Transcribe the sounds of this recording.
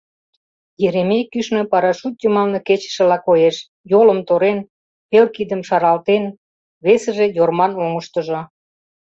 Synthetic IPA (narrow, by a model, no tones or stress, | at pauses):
jeɾemekːyʃnø̆pɑɾɑʃut̪̚jəmɑlnĕket͡ɕə̥ʃə̆lɑkojeʃ | jolə̆mt̪oɾen | pelkid̪əmʃɑɾɑlt̪en | βesə̆ʒejormɑnoŋə̆ʃt̪ə̆ʒŏ